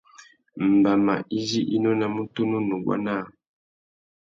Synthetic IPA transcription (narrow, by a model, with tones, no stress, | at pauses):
m̩˨ba˨ma̰˨ʔi˦zi˦ʔi˦nɔ˦na˨mu˦tu˦nu˦nu˨ɡwa̰˦na˦˨